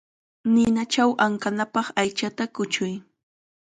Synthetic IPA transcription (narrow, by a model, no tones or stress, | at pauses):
nɪnat͡ʃawʔaŋkanapɑχajt͡ʃat̪akʊt͡ʃʊj